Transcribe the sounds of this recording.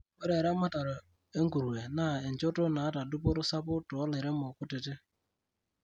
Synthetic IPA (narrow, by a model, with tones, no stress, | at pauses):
o˦ɾe˨ɾa˦ma˦ta˨ɾɔ˨ | e˦ŋ̩˦ɡu˨ɾu˨e˨na˨e˨n˨d͡ʒɔ˦tɔ˦na˨a˦ta˨dʊ˦p̬ɔ˦ɾʊ˦sa˦pʊ˦tʊ˨ɔ˦le˨ɾe˦m˦ʊ˨kʊ˦tɪ˨tɪ˦